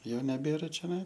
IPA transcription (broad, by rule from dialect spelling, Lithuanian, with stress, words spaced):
ˈjɛʊ nʲɛˈbʲeːrɐ t͡ʃʲoːˈnɐɪ